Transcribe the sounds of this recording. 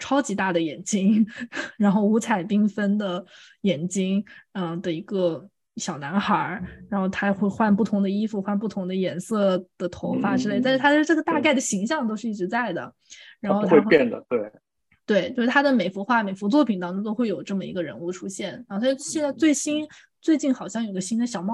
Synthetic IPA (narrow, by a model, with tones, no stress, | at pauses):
ʈ͡ʂʰɑ˥ʊt͡ɕi˧˥t̪a˥˩d̪ə˩jɛ˨˩nt͡ɕi˥ŋɻa˧˥nxo˥˩ʊu˧˥t͡sʰa˨˩ɪpi˥ŋfə˥nd̪ə˨ | jɛ˨˩nt͡ɕi˥ŋə˧d̪ə˩i˧˥ɡə˧ | ɕjɑ˨˩ʊna˧˥nxɐ˞˧˥ɻa˧˥nxo˥˩ʊt̪ʰa˥˧xwe˥˧ɪxwa˥˧np̬u˥˩t̪ʰʊ˧˥ŋd̪ə˧i˥fu˧xwa˥˧np̬u˥˩t̪ʰʊ˧˥ŋd̪ə˧jɛ˨˧˥nsɤ˥˩d̪̥ə˩t̪ʰo˧˥ʊfa˥˩ʈ͡ʂɻ̩˥le˥ɪt̪a˥˧nʂɻ̩˥t̪ʰa˥ʂɻ̩˥ʈ͡ʂɤ˥˩ɡə˩t̪a˥˧ka˥˩ɪd̪ə˩ɕi˧˥ŋɕjɑ˥˧ŋt̪o˥ʊʂɻ̩˥˧i˥˩ʈ͡ʂɻ̩˧˥t͡sa˥˩ɪd̪ə̰˩ | ɻa˧˥nxo˥˧ʊwe˥˧pjɛ˥˩nd̪ə̰˩t̪we˥˩ɪ | t̪we˥˩ɪt͡ɕjo˥˧ʂɻ̩˥˩t̪ʰa˥d̪ə˨me˨˩ɪfu˧˥xwa˥˩me˨˩ɪfu˧˥t͡swɔ˥˩pʰi˨˩nt̪ɑ˥ŋʈ͡ʂʊ˥ŋt̪o˥ʊxwe˥˩ɪjo˨˩ʊʈ͡ʂɤ˥˩mə˩ḭ˧˥ɡə˧ɻə̰˧˥nu˥˩ʈ͡ʂʰu˥ɕjɛ˥˩nɻa˧˥xo˥˧˩ɕjɛ˥˧nt͡sa˥˧ɪt͡swe˥˩ɪɕi˥n | t͡swe˥˧ɪt͡ɕi˥˩nxɑ˨˩ʊɕjɑ˥˩ŋjo˨˩i˧ɡə˧ɕi˥nd̪ə˨˩ɕjɑ˨˩ʊmɑ˥˩